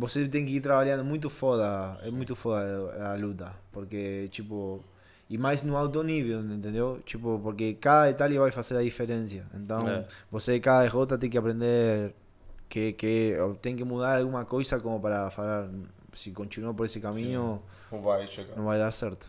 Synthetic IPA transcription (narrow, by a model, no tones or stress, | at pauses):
boset̪̬ɛŋkɪiɾt̪ɾaβaʎjand̪omũjt̪̬ʊfɔðɐɛmũjt̪ʊfɔðɐalut̪ɐpoɾket͡ʃipo | imajsnũawt̪̬oniβenẽnt̪̬ẽnd̪ewt͡ʃipʊpoɾkekaðɐet̪aljaβajfaseɾaðifeɾẽnsjɐḛ̃nt̪ãŋbosekaðɐðeɣot̪̬at̪̬ẽŋkɪapɾẽnd̪eɾ | keket̪ẽŋkɪmuðaɾalɣuŋɐkojsakomopaɾafalaɾn | sikõnt͡ʃ̪inuap̬oɾesɪkamĩɲʊ̃ | vajʃkõvajðaɾsɛɾt̪ʊ̥